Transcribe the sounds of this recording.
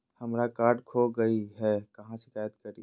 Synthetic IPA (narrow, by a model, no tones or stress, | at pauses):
həmɾakaːɾɖkʰoɡəiɦɛkɐɦãʃɪ̥kaːjət̪kəɾḭ